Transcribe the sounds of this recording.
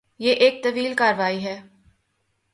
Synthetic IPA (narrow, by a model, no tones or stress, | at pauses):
jeːʔeːk̚t̪ɐʋiːlkaːɾʋaːiɦɛː